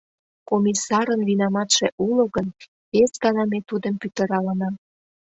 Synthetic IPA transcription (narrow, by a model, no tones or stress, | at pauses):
komisɑɾənvinɑmɑt̪ʃeʔuloɣən | esɡɑnɑmet̪ud̪əmpyt̪ə̆ɾɑlənɑm